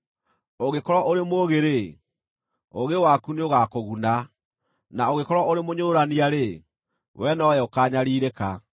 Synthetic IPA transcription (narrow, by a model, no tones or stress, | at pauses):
oɣekɔɾwaʔoɾemoːɣeɾe | oɣewakuneoɣakoɣuna | naoɣekɔɾwaoɾemoɲoɾaniaɾe | wʔɛnɔɛokaːɲaɾiːɾeka